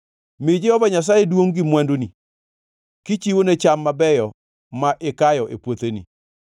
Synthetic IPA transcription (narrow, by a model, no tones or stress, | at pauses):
mɪd͡ʒɛhɔvaɲas̬ajedwoŋɡimwandoni | kit͡ʃiwonet͡ʃamːabɛjɔ | maʔɪkajɔʔepwot̪enḭ